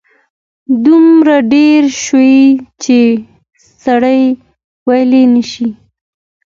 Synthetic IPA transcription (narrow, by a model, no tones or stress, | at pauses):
d̪umɾaɖeɾʃojit͡ʃe | saɽəj | wajlenəʃi